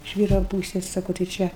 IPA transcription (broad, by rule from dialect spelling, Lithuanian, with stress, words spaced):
ɪʃ ˈʋʲiːrɐ ˈpuːsʲeːs ˈsɑːkoː tɐɪ ˈt͡ʃʲɛ